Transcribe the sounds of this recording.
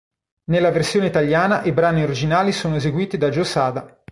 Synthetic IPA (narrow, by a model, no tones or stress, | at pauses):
nelːaversjoːneit̪aljaːnaʔibɾaːnioɾid͡ʒinaːlisoːnoezeɡwiːt̪id̪ad͡ʒosaːd̪a